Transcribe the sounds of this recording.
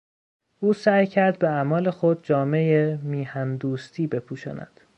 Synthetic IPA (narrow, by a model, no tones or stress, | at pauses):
ʔuːsæjcʰæɾd̪̚beæmɒːle̞xod̪̚d͡ʒɒːme̞jemiːhænd̪uːst̪ʰiːbe̞pʰuːʃɒ̰ːnæ̰d̪̥